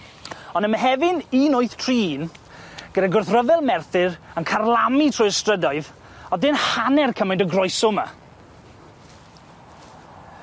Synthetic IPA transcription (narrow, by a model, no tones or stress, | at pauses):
ɔnəməɦɛvɪniːnʊɨθtʰriːn | ɡ̥ədaɡʊrθrəvɛlˠmɛrθɪrənkʰarlˠamitʰrʊjəstrədaɨð | ɔdɪnhanɛrkʰəmajndəɡrɔjsʊma̰